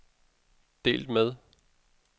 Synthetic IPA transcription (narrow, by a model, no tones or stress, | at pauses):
d̥e̝̰ːld̥með̞ˠ